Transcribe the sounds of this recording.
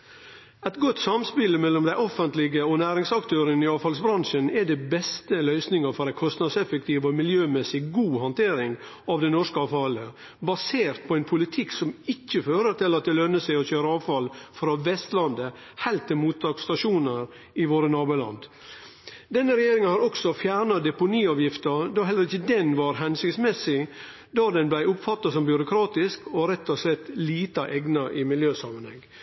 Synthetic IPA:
ɛt̪ɡɔt̪ːsɑmspɪləmɛlːɔmd̪æɪʔɔfənt̪lɪɡəɔnæːɾɪŋsɑkt̪ʰøːɾənəɪɑːʋfɑlsbɾɑnʂənɛd̪ɛbɛst̪əlœʏsnɪŋəɾfɔɾæɪkʰɔst̪nɑd̪sɛfək̚t̪ʰiːʋɔmɪljøːmɛsɪɡuːhɑnt̪ʰeːɾɪŋ | ɑʋd̪ɛnɔʂkəɑːʋfɑlə | bɑseːɾt̪̚pʰɔɛnpʰʊlɪt̪ʰɪksɔmɪçːəføːɾəɾt̪ɪlɑt̪̚d̪ɛlœnːəsæɪɔçøːɾəɑːʋfɑlfɾɑːʋɛst̪lɑnd̪ə | hæɪlt̪ːɪmuːt̪ʰːɑːkst̪ɑʃuːnəɾ | ɪʋoːɾənɑːbulɑ̰nd̪ | d̪ɛnːəɾɛjeːɾɪŋənhɑɾɔksɔfjæːɾɳɑd̪ɛpʊniːɑːʋjɪft̪əd̪ɔɦɛlːəɾɪçəd̪ɛnʋɑɾɦɛnsʏkt̪smɛsɪ | d̪ɑd̪ɛnblæɪʊpfɑt̪ːɑsɔmbjʉɾʊkʰɾɑːt̪ɪskɔɾɛt̪ːɔslɛt̪ːliːt̪ɑʔɛɡnɑʔɪmɪljøːsɑːmənhɛ̰ŋː

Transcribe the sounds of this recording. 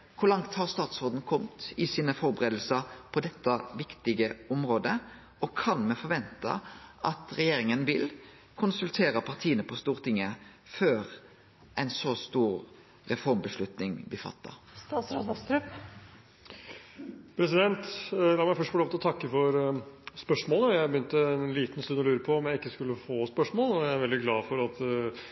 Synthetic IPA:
kʰʊɾlɑŋt̪hɑʁst̪ɑːt̪sɔːd̪n̩kʰɔmt̪ɪsiːnəfɔɾbəʁeːd̪l̩səpʰɔd̪ɛt̪ːɑʋɪkt̪ɪɡəʊmɾoːd̪ə | ɔkʰɑnmɛfɔɾʋɛnt̪ɑ̰ʔɑt̪ʁɛjeːɾɪŋənʋɪl | kʰʊnsʉlt̪ʰeːɾəpʰɑʁt̪ʰiːənəpʰɔst̪uːʁt̪ʰɪŋːə | føːɾ | ʔɛɪnsɔst̪uːɾ | ʁɛfɔɾmbəʂlʉt̪nɪŋb̪ɪfɑ̰t̪ːə̰st̪ɑːt̪sɾɑd̪ɑst̪ʰɾʉp | pʰɾɛsɪd̪ɛnt̪lɑːmæɪfœʂʈfɔloːʋt̪ɪlɔt̪ʰɑkːəfɔɾspœʂmoːlənəjæɪbəjʏnt̪əɛnliːt̪nst̪ʉnːɔlʉːɾəpʰɔɔmjæɪɪkːəskʉlːəfoːspœʂmoːlɔæææɾʋɛld̪ɪɡlɑːfɔɾɑt̪

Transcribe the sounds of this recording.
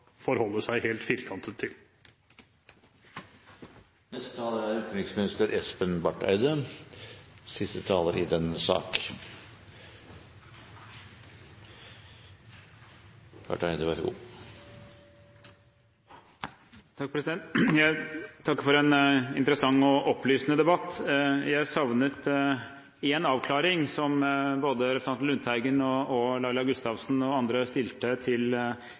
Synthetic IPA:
fɔɾhɔlːəsæɪheːlt̪fiːɾkʰɑnt̪ʰət̪ʰɪl | nɛst̪ə̥t̪ʰɑːləæɾʉːt̪nɪksmɪnɪst̪əɾʔɛspənbɑʈæ̰ɪd̪ə | sɪst̪ət̪ʰɑːləɾɪd̪ɛnsɑ̰ːk | bɑ̰ʈæɪd̪əʋæɾɡṵː | t̪ʰɑk̚pʰɾɛsɪd̪ɛnt̪jæɪt̪ʰɑkːəfɔɾɛnɪ̰nt̪əɾəsɑŋːɔʔɔpʰlyːsnəd̪ɛbɑt̪ːjæɪsɑʋnət̪ | enɑːʋkʰlɑːɾɪŋsɔmboːd̪əɾɛpsɑnt̪nlʉnt̪ʰhæɪɡənɔɔlɑɪlɑɡʉst̪ɑʋsnɔɑnd̪ɾəst̪ɪlt̪ət̪ʰɪl

